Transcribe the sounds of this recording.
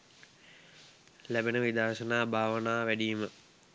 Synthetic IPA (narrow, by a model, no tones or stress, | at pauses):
læbenəʋid̪aːʃənaːbʱaːʋənaːʋæɖijmə